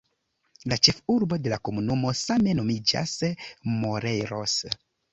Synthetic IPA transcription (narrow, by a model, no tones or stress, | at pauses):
lat͡ʃe̞fuɾbo̞de̞lako̞munumo̞same̞no̞mid͡ʒa̰smo̞ɾejɾo̰s